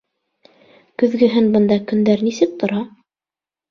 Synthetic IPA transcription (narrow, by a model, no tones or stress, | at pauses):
kɵ̆ðɡɘ̆ɦɘnbɤ̆nd̪ɑkɵ̆nd̪æɾnisɘk̚t̪ŏɾɑ